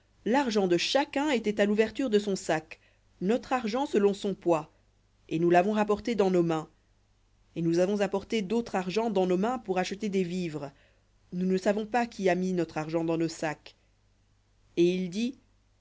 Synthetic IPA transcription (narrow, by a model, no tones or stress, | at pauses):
laʁʒɑ̃d̪əʃakʲɛ̃et̪ɛt̪aluvɛʁt̪yʁd̪əsɔ̃sak | nɔt̪χaʁʒɑ̃səlɔ̃sɔ̃pwa | enulavɔ̃ʁapɔʁt̪ed̪ɑ̃nomɛ̃ | enuzavɔ̃zapɔʁt̪ed̪ot̪χaʁʒɑ̃d̪ɑ̃nomɛ̃puʁaʃət̪ed̪evivʁ | nunəsavɔ̃pakʰʲiaminɔt̪χaʁʒɑ̃d̪ɑ̃nosak | eild̪i